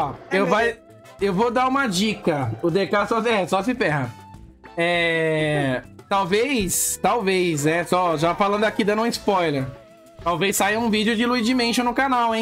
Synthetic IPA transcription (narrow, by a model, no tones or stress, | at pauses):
ɔewvaj | ewvod̪aɾũmɐd͡ʒikɐʊd̪ekasɔsɛsɔsɪfɛɦɐ | ɛ | t̪awvejst̪awvejsnɛsɔʒafalɐ̃nd̪ʊakid̪ɐ̃nũɪspɔjleɾ | t̪awvejsːajɐũvid͡ʒɪʊd͡ʒɪluid͡ʒɪmẽʃɐ̃nʊkanawẽ